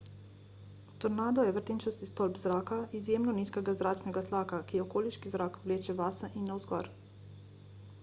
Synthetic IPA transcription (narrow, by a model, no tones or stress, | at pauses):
t̪ɔɾnaːd̪ɔjɛʋəɾt̪eːnt͡ʃɔst̪ist̪ɔlbzɾaːkaizjeːmnɔniːskɛɡazɾaːt͡ʃnɛɡat̪laːkakiɔkoːliʃkizɾaːkʋleːt͡ʃɛʋaːsaʔinːawzɡɔ̰ɾ